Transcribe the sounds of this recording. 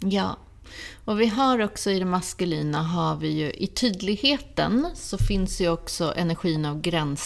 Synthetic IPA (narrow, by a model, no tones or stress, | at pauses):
jɑː | ɔvɪɦaɾɔksɔɪd̪ɛmaskɵliːnaɦavɪjɵʔɪt̪ʰyːd̪lɪɡheːt̪ə̰nsɔfɪnsd̪ɛjɵɔksɔʔɛ̰næɾɧiːənavɡɾɛns